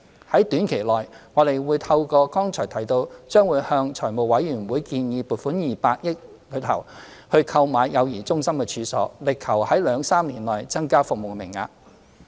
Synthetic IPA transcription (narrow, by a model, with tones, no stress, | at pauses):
hɐ˨˥jt̪yː˨˥nkʰe˨˩jlɔː˨˩jŋɔː˨˧t̪e˨jwuː˨˧jt̪ʰɐ˧wkɔː˧kɔː˥ŋt͡ʃʰɔː˨˩jt̪ʰɐ˨˩jt̪o˧wt͡ʃœː˥ŋwuː˨˧jhœː˧ŋt͡ʃʰɔː˨˩mo˨wwɐ˨˥jːyː˨˩nwuː˨˥jkiː˧njiː˨˧puː˨˩t̚fuː˨˥njiː˨paː˧t̚jɪ˥k̚ | lɵ˨˥t̪ʰɐ̰˨˩w | hɵ˧ɥkʰɐ˧wmaː˨˧jjɐ˨˧wjiː˨˩t͡sʊ˥ŋsɐ˥mkɛ˧t͡ʃʰyː˨˧sɔ̰ː˨˥lɪ˨kʰːɐ˨˩whɐ˨˥jlœː˨˧ŋsaː˥mniː˨˩nlɔː˨˩jt͡sɐ˥ŋkaː˥fʊ˨k̚mo˨wmɪ˨˩ŋːa̰ː˧